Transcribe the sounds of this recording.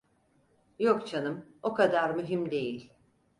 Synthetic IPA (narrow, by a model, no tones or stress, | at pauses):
jokt͡ʃʰanɯmo̞kad̪aɾmyɦimd̪e̞jilʲ